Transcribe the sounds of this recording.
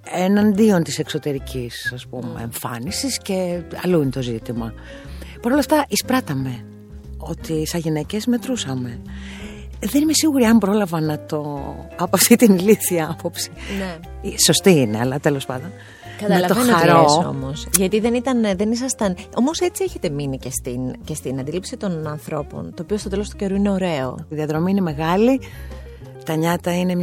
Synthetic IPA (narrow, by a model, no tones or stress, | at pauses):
enɐnd̪io̞nt̪ise̞kso̞t̪e̞ɾicʰisɐspume̞̰ːɱfɐ̰nisisce̞ɐloinet̪o̞zit̪imɐ | pɐɾo̞lɐft̪ɐʔispɾɐt̪ɐme̞ | o̞t̪isɐʝinece̞zme̞t̪ɾusɐme̞ | ðe̞nimesiɣuɾiɐmbɾo̞lɐvɐnɐt̪o̞ɐpoɐft̪it̪iniliθiɐɐpo̞psine | iso̞st̪iine̞ɐ̰lɐt̪elo̞spɐ̰nd̪o̞n | kɐtmɐelɐt̪oenxnɐɾoso̞̰mo̞sʝɐt̪iðe̞nit̪ɐnðe̞nisɐst̪ɐno̞mo̞se̞t͡sie̞çet̪e̞minice̞st̪ince̞st̪inɐnd̪ilipsit̪o̞nɐnθɾo̞po̞̰nt̪o̞ːpiost̪o̞t̪elo̞st̪u̥ce̞ɾuine̞o̞ɾe̞o̰iðiɐðɾo̞miineme̞ɣɐli | t̪ɐɲɐt̪ɐine̞m